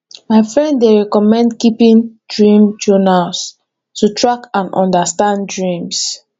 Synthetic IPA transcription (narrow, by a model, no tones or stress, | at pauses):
maɪfɹɛ̃ndeɹɛkɔmɛ̃ndkipĩndɹĩmd͡ʒɔnals | tutʰɹakãnɔ̰̃ndastãnddɹĩms